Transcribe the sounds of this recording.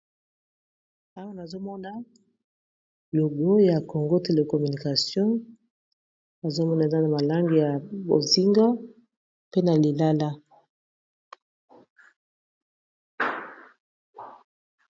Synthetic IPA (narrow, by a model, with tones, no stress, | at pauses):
a˦wa˦na˨zo˦mɔ˦na˦ | lo˨ɡo˦ja˨ko˨ŋɡo˦te˨le˨kɔ˨my˨ni˨ka˨sjɔ̃˦ | na˨zo˦mɔ˦na˨e˨za˦na˨ma˨la˦ŋɡi˨ja˨bo̰˨zi˦ŋɡa˦ | pe˦na˨li˨la˦la˦